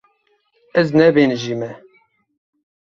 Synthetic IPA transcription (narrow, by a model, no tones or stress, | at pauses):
ɛznɛbenʒimɛ